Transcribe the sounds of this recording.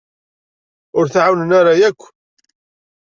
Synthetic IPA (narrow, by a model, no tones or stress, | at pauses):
ʊɾθʕawnənaɾajækʷː